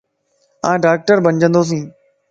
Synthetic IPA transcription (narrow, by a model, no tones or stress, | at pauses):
ãːɖaːk̚ʈəɾbəɲd͡ʑə̃nd̪oːs̬ĩː